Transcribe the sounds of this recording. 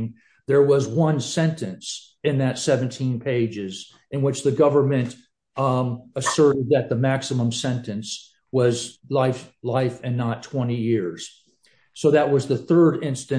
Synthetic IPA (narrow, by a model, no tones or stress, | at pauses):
ŋ | ðə˞wʌzwʌ̃nsɛ̃ntɨ̃ns | ɨ̃nðɨtsɛvɨ̃n̩tʰĩnpʰeɪd͡ʒɪz | ɨ̃nwɨt͡ʃðɨɡʌvə˞mɨ̃nt | əsɜ˞ɾɨd̪̚ðɨt̪̚ðəmæksəmə̃msɛ̃ntɨ̃ns | wʌzlaɪflaɪfɨ̃nːətʰw̥ɛ̃ɾ̃ijɪɹz̥ | soʊðɨt̚wʌzðɨθɜ˞ɾɪ̃nstɨ̃